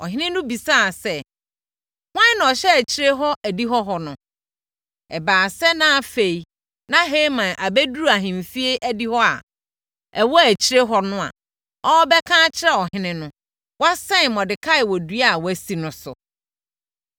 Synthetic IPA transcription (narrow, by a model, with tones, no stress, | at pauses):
ɔ̰˨ɦɪ̃˦nɪ̃˦nʊ̃˦bi˨saː˦˨sɛ˦ | hʷã˦nã˨ɔ˨ɕɛ˦æ˨t͡ɕʰi˨ɾe˦ɦɔ˦ʔæ˨di˦ɦɔ˦ɦɔ˨nʊ̃˨ | ɛ˨baː˨sɛ˦nã˦fe˨i˨ | nã˦ɦe˦mã˨ʔa˨bɛ˦du˦ɾa˨ɦɪ̃˨m˨fi˦e˦ʔæ˦di˦hɔ˦a̰˨ | ɛ˨wɔ˦æ˨t͡ɕʰi˦ɾe˦ɦɔ˦nʊ̃˦a̰˨ | ɔ˦bɛ˦kʰãː˦t͡ɕʰɪ˦ɾɛ˦˨ɔ˨hɪ̃˦nɪ̃˦nʊ̃˦ | wa˦sɛ̃˦n˨mɔ̃˨dɪ˨kʰa˦ɪ˨wɔ˨du˦a˦˨wæ˨si˨nʊ̃˨sʊ̰˨